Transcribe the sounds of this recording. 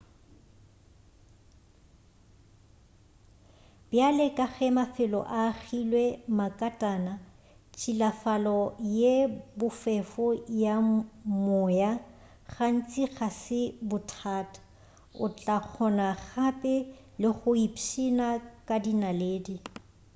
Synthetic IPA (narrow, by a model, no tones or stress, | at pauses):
b̥jalɪkʼaɣɛmafɪlɔ̰ʔaɣilwɛmakʼatʼaːna | t͡ʃʰʼilafalɔjebʊfɛfʊjamʊja | ɣan̩t͡sʼiɣasɪbʊtʰaːtʼḁ | ʊ̰t͡ɬʼak͡xʰɔnaχapʼɪ | lɪχʊipʃinakʼadinaleːdi